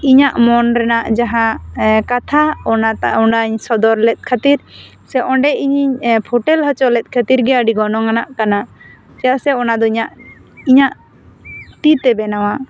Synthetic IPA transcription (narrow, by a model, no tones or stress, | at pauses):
iɲaʔmɔnɾɛnaʔd͡ʒaɦakat̪ʰaɔnat̪aɔɳɖaɲsɔd̪ɔɾlɛt̪̚ˀkʰat̪iɾ | sɛʔɔɳɖɛʔiɲiɲpʰoʈɛlɦət͡ʃɔlɛt̪̚ˀkʰat̪iɾɡɛəɖiɡɔnɔŋanaʔkana | d͡ʒaʔsɛɔnad̪ɔiɲaʔiɲaʔ | ʈit̪ɛbɛnawa